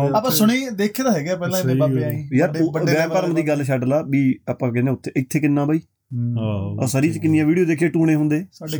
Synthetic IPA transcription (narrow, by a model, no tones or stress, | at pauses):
aːpãːsʊɽeːd̪eːkʰeːd̪aːɦɛːɡjaːpɛːlãːaaːiːjəɾbəʋɛːpəɾəmd̪iːɡəlʃəɖlaːbiːapãːk̬ɛːnẽːʊt̪ʰːeːʔɪt̪ʰːeːkɪnːãːbaiː | ɔ̰ːsəɾiːt͡ʃkɪnːɪjãːʋiːɖioːd̪eːkʰeːʈuːɽẽːɦʊ̃nd̪eːsaɖe